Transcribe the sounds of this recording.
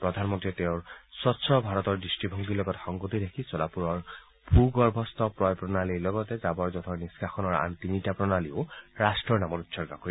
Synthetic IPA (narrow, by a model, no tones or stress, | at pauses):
pɹɔd̪ʱanmɔnt̪it̪eʊɹsɔtsʰɔbʱaɾɔt̪ɔɹdisʈibʱɔŋɡilɔɡɔtxɔŋɡot̪idekʰisɔlapuɾɔɹ | bʱuɡɔɹbʱɔst̪ɔpɹɔjpɹɔnalilɔɡɔt̪ezabɔɹzɔt̪ʰɔɹniskʰaxɔnɔɹa̰nt̪initapɾɔnalioɹasʈɹɔɹnamɔɾutsʰɔɹɔkɔɾi